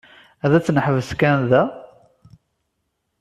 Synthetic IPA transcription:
æðæt͡sːnəħəvəskænðæ

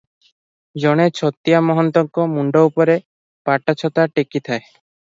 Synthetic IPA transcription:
d͡ʒɔɽ̃et͡ʃʰɔt̪ijamɔɦɔnt̪ɔŋkɔmuɳɖɔupɔɾe | paʈat͡ʃʰɔt̪aʈekit̪ʰae

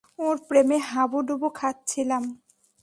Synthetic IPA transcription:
oɾpɾemeɦabuɖubukʰat̪̚t͡ɕʰilam

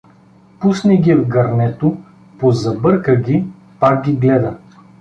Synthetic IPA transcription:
pusnɛɡʲivɡɐɾnɛt̪o | pozɐbɤɾkəɡʲi | pak̚ɡʲiɡlɛd̪ə

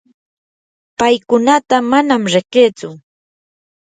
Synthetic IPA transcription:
pajkʊnat̪amanamɾɪqeːt͡sʊ

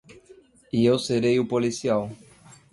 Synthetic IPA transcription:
iewseɾejʊpolisiaw

